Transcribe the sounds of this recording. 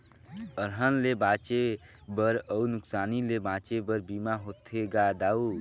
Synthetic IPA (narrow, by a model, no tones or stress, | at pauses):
əɾɦənlebat͡ʃebəɾəwnuksaːnilebãt͡ʃebəɾbimaɦot̪ʰeɡad̪au